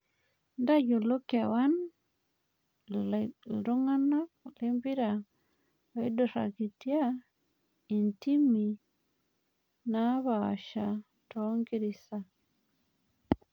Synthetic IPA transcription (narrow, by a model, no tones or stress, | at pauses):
ndaɟulokawan | ɾuŋanaklembiɾa | waidɔɾa̰kitija | intimːi | naβa̰ʃa | tɔŋɡiɾisa